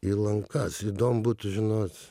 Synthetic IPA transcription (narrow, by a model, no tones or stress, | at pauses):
ilˠɐŋkɐsid̪oːmbut̪ʊʒʲɪnoːt͡sʲ